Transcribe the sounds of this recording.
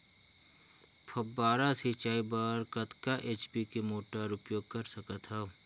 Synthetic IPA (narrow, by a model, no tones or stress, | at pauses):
pʰɐbaːɾasit͡ʃaːibaɾkɐt̪kaʔeːt͡ʃbikemoːʈaɾʊpjoːɡ̚kɐɾsɐkət̪ɦɛː